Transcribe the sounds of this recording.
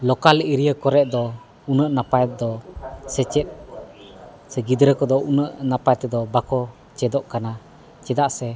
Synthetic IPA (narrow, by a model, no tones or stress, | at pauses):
lɔkaliɾijəkɔɾɛʔ̚d̪ɔ | unəʔnapajt̪̚d̪ɔsɛt͡ʃɛt̪̚ | sɛɡid̪ɾəkɔd̪ɔunəʔnapajt̪ɛd̪ɔbakɔ | t͡ʃɛd̪ɔʔkana | t͡ʃɛd̪aʔsɛ